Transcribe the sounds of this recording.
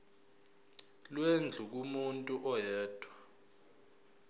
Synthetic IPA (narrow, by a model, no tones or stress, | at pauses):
lwend͡ɮʱuk̬umuntʼuʔɔjɛːd̥ʰʱʼwa